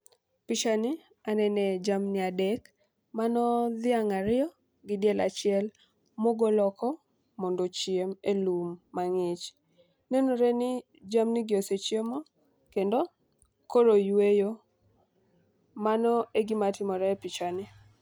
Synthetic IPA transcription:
pɪt͡ʃanɪ | anɛnɛd͡ʒamnɪadɛk | manɔðɪaŋaɾɪɔ | ɡɪdjɛla̰t͡ʃɪɛl | moɡolɔkʰɔ | mɔndot͡ʃjemelumːaŋɪt͡ʃ | nenoɾenɪ | d͡ʒamnɪɡɪoset͡ʃjemo | kendo | koɾojwejo | manɔeɡɪmatɪmɔɾɛpɪt͡ʃanɪ

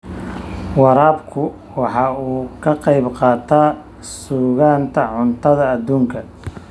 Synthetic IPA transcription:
wɑɾaːbkʰʊ | wɑħɑːuːkʰɐqɑjbqɑːt̪ʰaː | suːɣaːnt̪ʰɐʕʊnt̪ʰɐðɐːd̪ːuːŋkʰɐ

